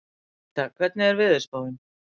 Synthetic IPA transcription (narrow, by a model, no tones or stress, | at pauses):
t̪akʰvɛt̪nɪɛɾvɪðɪɾ̥spaːwðɪn